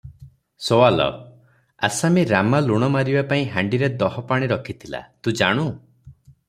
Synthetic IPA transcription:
sowalɔ̰ | a̰samiɾamaluɽ̃ɔmaɾibapaĩɦaɳɖiɾed̪ɔɦɔpaɽ̃iɾɔkʰit̪ʰila̰t̪ũd͡ʒaɽ̃u

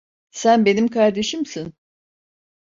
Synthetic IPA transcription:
sænbe̞nimkʰaɾd̪e̞ʃimsin

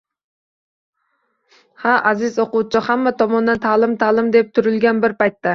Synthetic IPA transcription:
hæʔæzɪzoqut͡ʃʰiχæmːɛt̪ʰɑmɑnːɛnt̪ʰæːlˠɨmt̪ʰæːlˠɨmd̪ɛp̚t̪ʰyɾylɡʲɛnbɪɾpɑjt̪ːɛ

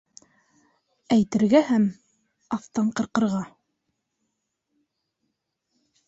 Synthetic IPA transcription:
æjt̪ɘ̆ɾɡæhæm | ɑft̪ɑɴqɤ̆ɾqɤ̆ɾʁɑ

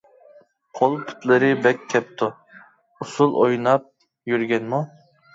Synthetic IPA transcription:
qʰolˠpʰʊ̥t̪lˠɨɾɨbɛkʲʰːɛp̚t̪ʰʊ | usulˠojnɑp̚ | jyɾɡʲɛnmu

